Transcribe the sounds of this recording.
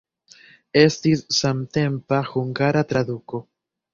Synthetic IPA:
e̞stisːamt̪e̞mpaxuŋɡaɾat̪ɾad̪uko̞

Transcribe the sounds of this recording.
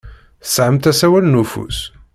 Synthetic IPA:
θə̥sʕəmt̪æsæwælnufṵs

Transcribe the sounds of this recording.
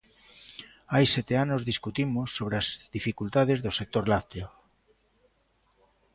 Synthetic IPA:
ajsɛt̪eanozðiskut̪imosːoβ̞ɾeazðifikult̪aðezðosek̚t̪oɾlat̪eo

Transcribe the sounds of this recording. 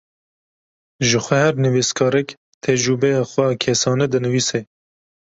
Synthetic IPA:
ʒɨxʷɛhɛɾnɨviskʰɑːɾɛk | t̪ʰɛd͡ʒɾubɛjɑːxʷɛkʰɛsɑːnɛd̪ɨnɨviːsɛ

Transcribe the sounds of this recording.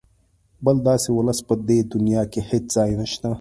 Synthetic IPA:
bɐld̪aːsewɐlɐsbɐd̪eːd̪unijaːkehet̪zaːinɐɕna

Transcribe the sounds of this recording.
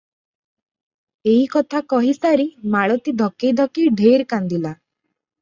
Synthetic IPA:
eɦikɔt̪ʰakɔɦisaɾimaɭɔt̪id̪ʱɔkejd̪ʱɔkiɖʱeɾkand̪ila

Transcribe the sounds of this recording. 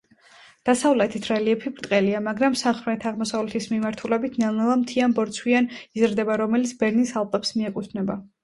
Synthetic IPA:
d̪̥asavlɛt̪ʰit̪ʰɾɛliɛpʰibɾt̪ʼqʼɛliamaɡɾamsamχmɛt̪ʰaʁmɔsavlɛt̪ʰismimaɾt̪ʰulɛbit̪ʰnanɛlˠamt̪ʰianbɔɾt̪sʰwianizɾd̪ɛbaɾɔmɛlit̪sʰbɛɾnisalˠp̪ʼɛpsmiɛkʼut̪ʰnɛba

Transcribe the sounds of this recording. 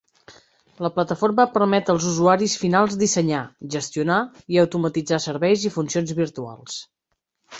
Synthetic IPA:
ləplət̪əfoɾməpəɾmɛt̪əlˠzuzuaɾisfinalˠzd̪isəɲaʒəst̪iunaiəwt̪umət̪id͡zasəɾβɛjzifunsionzβiɾt̪ua̰lˠs

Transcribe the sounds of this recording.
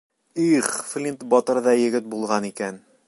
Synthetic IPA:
iχflʲint̪bɒt̪ɤ̆ɾðɑjɘ̆ɡɘt̪̚bulˠʁɑnikæn

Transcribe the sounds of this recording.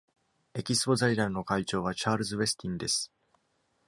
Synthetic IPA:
e̞kʲisɨ̥po̞zaiɾãino̞kait͡ɕo̞ːβ̞at͡ɕaːɾɯ̟zɨβe̞sɨ̥t̪ʲĩnd̪e̞sɨ̥

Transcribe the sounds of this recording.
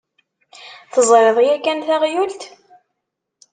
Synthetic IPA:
θəzˤɾeðˤjækːænθæʁjult̪

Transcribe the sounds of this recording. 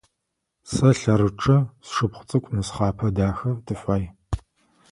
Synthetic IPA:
sɐɬɐɾɨʈ͡ʂʼɐsʂɨpχʷʊt͡sʼɨkʷʼnɨsχɑːpʰɐdaːxɐrdɨɕʷaːj

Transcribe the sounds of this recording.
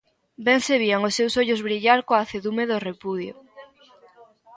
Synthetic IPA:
bɛŋseβiaŋosːewsoʎʊzβɾiʎaɾkoaθeðumeðorepuðjo̰

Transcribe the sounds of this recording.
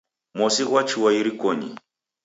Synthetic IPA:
mɔsiɣwat͡ʃuwaiɾikɔɲḭ

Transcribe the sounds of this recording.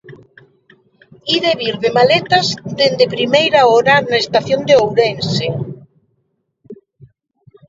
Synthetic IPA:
iðeβiɾðemalet̪azd̪end̪epɾimejɾaɔɾanaest̪aθjond̪eowɾense

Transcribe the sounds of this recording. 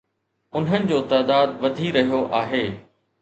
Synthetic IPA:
ʊnɦənɪ̆d͡ʑoːt̪aːd̪aːd̪ʋɐd̪ʱiɾɐɦijoʔaːɦeː

